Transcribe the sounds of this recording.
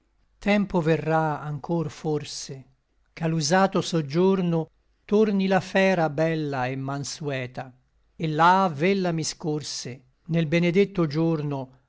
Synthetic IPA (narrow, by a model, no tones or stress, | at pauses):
t̪ʰɛmpoverːaaŋkʰorforse | kalːuzaːt̪osod͡ʒːorno | t̪ornilafɛːɾabɛlːaemːanswɛːt̪a | elːavelːamiskorse | nelbened̪et̪ːod͡ʒorno